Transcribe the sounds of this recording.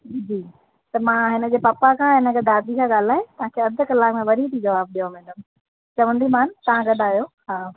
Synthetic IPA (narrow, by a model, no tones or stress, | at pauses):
d͡ʑiː | t̪ɐmãːɦɪnə̆d͡ʑeːpɐpakʰãːɦɪnəɡɐd̪ʱaːd̪ikʰãːɠaːl̤aːet̪ɐʋ̤ãkʰeːɐd̪ʱə̆kɐlaːkmẽʋɐɾʱit̪ʰid͡ʑɐʋaːb̚ɗijamɛ̃ːɖəm | t͡ɕɐʋə̃nd̪imaːnt̪ɐãɡɐɗaːjoːɦaː